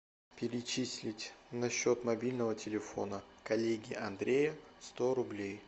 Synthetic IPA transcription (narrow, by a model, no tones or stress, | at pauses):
pʲɪɾʲɪt͡ɕisʲlʲɪtʲnɐɕːot̪mɐbʲilʲnəvətʲɪlʲɪfo̞̰nəkɐlʲeɡʲɪɐnd̪ɾʲejəst̪oɾʊblʲej